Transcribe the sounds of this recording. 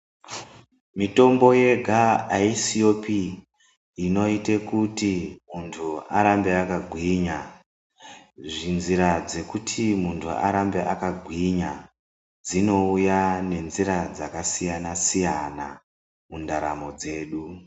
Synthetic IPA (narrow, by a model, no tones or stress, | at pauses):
mito̞mbo̞je̞ɡʱaaisio̞piː | no̞itekutimuntʰuaɾambe̞akaɡʱwiɲa | ʐinziɾad͡ze̞kutʰimuntʰṵa̰ɾambeʔakaɡʱwiɲa | d͡zino̞ujane̞nziɾad͡zakasijanasijana̰ | mundaɾa̰mo̞d͡ze̞ːɗu